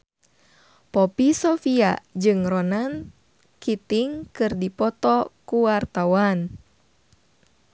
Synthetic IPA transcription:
pɔpisɔfia̰d͡ʒɨŋrɔnan | kit̪iŋkɨrdipɔt̪ɔkuwart̪awan

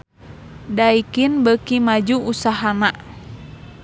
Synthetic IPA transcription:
daikinbəkimad͡ʒuusaɦana

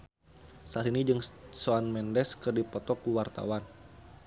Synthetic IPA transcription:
saɾinid͡ʒɨŋsoanmɛndɛskɨrdipɔt̪ɔkuwart̪a̰wan

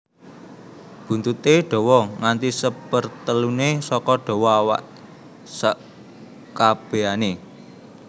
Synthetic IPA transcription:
b̥ṳnt̪ut̪eɖ̥ɔ̤wɔŋant̪isəpərt̪əlunesɔkɔɖ̥ɔ̤wɔawa̰ʔ | sə | kab̥e̤ane

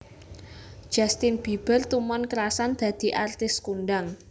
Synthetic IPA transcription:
d̥ʒ̥a̤st̪ɪnb̥i̤b̥ə̤rt̪umɔnkəɾasand̪̥ä̤d̪̥i̤ʔart̪ɪskunɖaŋ

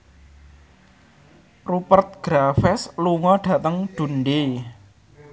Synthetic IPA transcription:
rupərt̪̚ɡ̥ɾafɛsluŋɔɖ̥ä̤t̪əŋɖ̪̥ṳnɖe

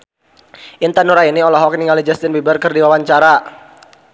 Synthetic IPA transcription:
ʔint̪anuɾainiɔlɔɦɔk̚niŋalid͡ʒast̪ɪnbibərkərdiwawaɲt͡ʃaɾa

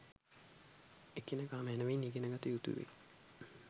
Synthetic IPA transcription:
ekːenəkaːməænəʋeniɡenəɡat̪ijut̪ṵʋḛ

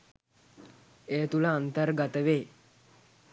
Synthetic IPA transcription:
eːt̪uləant̪əɾɡat̪əʋeː

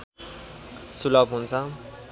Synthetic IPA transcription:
sulʌbɦunt͡sʰʌ

